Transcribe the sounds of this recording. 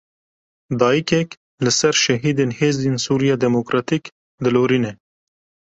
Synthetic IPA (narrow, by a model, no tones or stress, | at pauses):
d̪ɑːjikek | ləsaɾʃɐɦiːd̪enheːzd̪insuɾijad̪emokɾɑt̪ik | d̪əloːɾine